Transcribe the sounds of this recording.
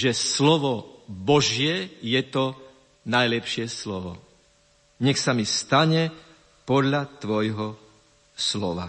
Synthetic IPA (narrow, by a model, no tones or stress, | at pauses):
ʒɛslɔʋɔbɔʒjɛjɛt̪ɔ | najlɛpʃɪɛslɔʋɔ̰ | ɲɛxsamist̪aɲɛ | pɔd̪ʎat̪ʋɔjɦɔ | slɔʋa̰